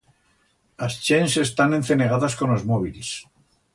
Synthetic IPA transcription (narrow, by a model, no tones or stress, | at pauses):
last͡ʃense̞st̪ane̞nθe̞ne̞ɣaðasko̞nlozmoβ̞iles